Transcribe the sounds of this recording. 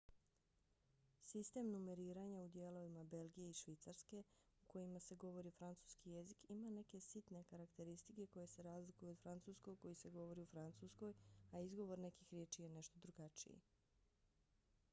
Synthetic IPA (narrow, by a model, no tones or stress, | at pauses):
sist̪e̞mnume̞ɾiːɾaɲaud̪je̞lˠo̞ʋimabe̞lɡije̞iʃʋit̪saɾske̞ | uko̞jimase̞ɡo̞ʋo̞ɾifɾant̪su̥ːskije̞zikimane̞ke̞sit̪ne̞kaɾakt̪e̞ɾist̪ike̞ko̞je̞se̞ɾaːzlikujuod̪fɾant̪suːsko̞ɡ̚ko̞jise̞ɡo̞ʋo̞ɾiufɾant̪susko̞jaizɡo̞ʋo̞ɾne̞kixɾʲjeːt͡ʃije̞ne̞ʃt̪o̞d̪ɾuɡat͡ʃḭḭ